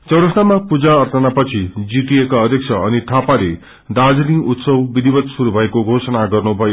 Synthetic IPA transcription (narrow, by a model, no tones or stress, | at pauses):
t͡sʌwɽʌsnamapud͡zaʌrt̪ʌnapʌt͡sʰid͡ziʈ̪iekaʌd̪ʱjʌk̚t͡sʰʌʌniʈ̪ʰapale | d̪ad͡zliŋut̪sʌwbid̪ʱibʌt̪suɾubʱʌekoɡʱosʌnaɡʌrnubʱʌjo